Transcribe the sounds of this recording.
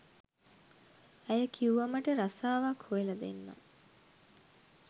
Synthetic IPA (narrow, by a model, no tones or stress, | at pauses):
æjəkʰiuʋaməʈəɾasaːʋakhoelɐd̪enːa̰